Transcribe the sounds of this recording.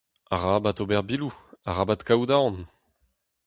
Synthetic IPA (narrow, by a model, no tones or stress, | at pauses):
aʁabatobɛʁbiluaʁabat̪kawd̪aɑ̃n